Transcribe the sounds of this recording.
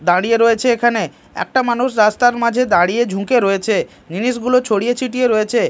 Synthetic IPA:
d̪aɽijeɾoet͡ɕʰeekʰane | ɛ̰k̚ʈamanuʃɾast̪aɾmad͡ʑʱed̪aɽied͡ʑʱũkeɾoet͡ɕʰe | niniʃɡulot͡ɕʰoɽijet͡ɕʰiʈieɾoet͡ɕʰe

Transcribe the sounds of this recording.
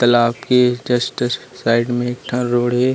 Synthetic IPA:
t̪ɐlaːpked͡ʒɐsʈɪssaːɪɖmẽeːk̚ʈʰaɾoːɽɦeː

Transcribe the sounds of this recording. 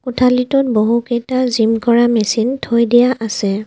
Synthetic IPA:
kutʰalitʊt̚boɦukejtazimkɔɹamɛsintʰojdijaʔasɛ

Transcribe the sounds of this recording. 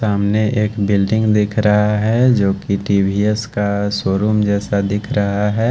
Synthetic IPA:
aːmneʔeːkbɪlɖɪ̃ŋɡd̪ɪkʰɾɐɦaɦɛd͡ʒoːkiʈiːbʱiɛskasoːɾuːmd͡ʒɛːsad̪ɪkʰɾɐɦaɦɛː

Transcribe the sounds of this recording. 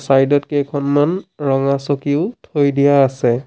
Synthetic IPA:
sajdɔt̚kekʰɔnmanɹɔŋasokiʊtʰojdijaːsɛ

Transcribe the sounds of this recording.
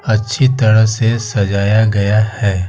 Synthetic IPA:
ɐtːʃʰit̪ɐɾəɦsesɐd͡ʒaːjaɡɐjahɛː

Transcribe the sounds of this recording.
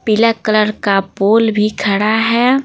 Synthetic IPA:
pɪləkələɾkapoːlbʱikʰɐɽaɦɛː

